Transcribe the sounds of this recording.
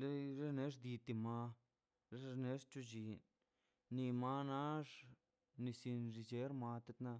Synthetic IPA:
le˦ɾe˦ne˦ʐd̪i˧t̪i˧ma˧ | le˦ɾne˦ʂt͡ʃu˦˧d͡ʒi˧˨ | ni˧ma˧na˦ʐ | ni˧si˧nʐi˧d͡ʒe˦ɾma˧t̪e˧˦t̪na˧

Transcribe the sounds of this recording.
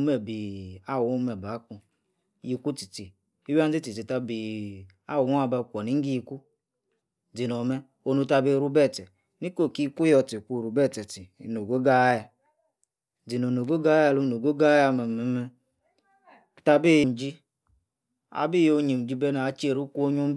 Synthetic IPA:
mɛ˨bi˨a˦˨wmɛ˨ba˨˦ku˧ | ji˨˧ku˦ti˨ti˨ | i˦wa˦n˦d͡zi˦ti˨ti˨ta˧bi˨ | a˦˨wu˨˦a˨˧ba˧˨kʷɔ˨ni˦ŋ̩˦ɡi˦ji˧ku˦ | d͡zi˨nɔ˨mɛ˦ | o˨˧nu˧ta˧be˧ɾu˧bɛ˦˨tɛ˨ | ni˦ko˦˨ki˦˧ku˦jɔ˧ti˨kʷu˦˨ɾu˨bɛ˦˨tɛ˨ti˨no˨ɡo˦ɡa˦ja˨ | d͡zi˨no˨no˨ɡo˦ɡa˦a˧˨lo˧˦no˨ɡo˦ɡa˦a˧mɛ˨mɛ˨˦mɛ˧˨ | ta˧be˦˨jm˨d͡ʒi˦ | a̰˨bi˦jo˨˧˦ɲi˨m˨d͡ʒi˧˦bɛ˦na˨a˨˦t͡ʃe˨ɾu˦ku˦o˧ɲu˦m˦

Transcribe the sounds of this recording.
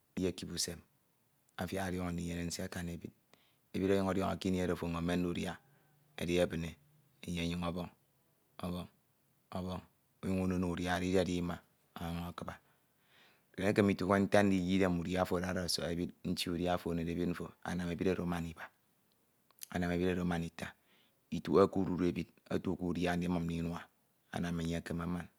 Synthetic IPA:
je˦˨ki˨bu˨se˨m | a˨fja˦a˨ɾjɔ˦ŋ˨i˨je˨ne˨n̩˦si˦a˦ka˨ne˨bi˦d̚ | e˨bi˦ɾo˦jɔ˦ŋo˨djɔ̰˦ŋa̰˨ki˦n˦e˦ɾo˨fo˨ŋo˨me˦n̩˦u˦ɾja˦ | ḛ˨di˦e˦˨bɨ˨ne˨ | e˨ɲe˨˦ɲi˨ŋɔ˦bɔ˦ŋ | ɔ˦βɔ˦ŋ | ɔ˦βɔ˦ŋ | u˦ju˦ŋu˦no˦n˨ɾja˦˨ɾi˦di˦a˨di˦ma˨ | a˨jo˦ŋa˨kɨ˦ba˨ | e˨ne˦ke˦mi˨tu˨ke˦n̩˦ta˦n̩˦di˦˨˦ji˦de˦mu˨ja˦fo˨a˦ɾa˨so̰˨e˨bi˦t̚n̩˦t͡ʃi˦u˨ɾja˦fo˨ne˨de˨bi˦t̚ɱ̩˦fo˨a̰˨na˨me˨bi˦ɾa˦ɾo˨˦ma˦ni˨ba˨ | a̰˨na˨me˨bi˦ɾa˦˨ɾo˨ma˨ni˨ta˨ | i˨tu˨a˦ku˦ɾu˨ɾe˨bi˦d̚a̰˦tu˦˨ku˦˨ɾja˦n̩˦di˦ma˨m̩˦di˦nwa˦ | a̰˨na˨me˨ɲe˦a˨ke˦ma˦ma˦n

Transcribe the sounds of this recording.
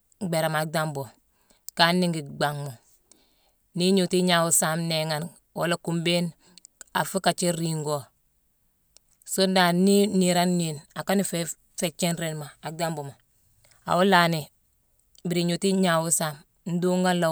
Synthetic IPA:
ɡ͡be˨ɾa˨ma˨da˦mbo˨ | ka˦nːi˦ŋɡi˨ɡ͡ba˨ŋmo˨ | ni˦ɲu˨ti˦ɲa˨wu˦sa˦mne˨ŋa˨n | wo˨˦la˦ku˨mbe˦n | a̰˨fi˦ka˨t͡ʃi˦ɾi˨ŋɡo˨ | so˦da˨ni˦ni˨ɾa˦nːi˨na˨ka˦ni˦fe | fe˨t͡ʃe˦nɾe˨nmaː˨da˦mbo˨ma˨ | a̰˨wu˦la˨ni˨ | bi˨ɾi˨ɲu˨ti˦ɲa˨wu˦sa˦m | n̩˦du˦ŋɡa˦nla˨

